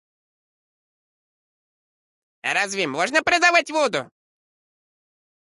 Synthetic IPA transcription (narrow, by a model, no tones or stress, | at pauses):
ɾazvʲɪmɔʐnəpɾʲɪd̪avatʲvod̪ʊ̰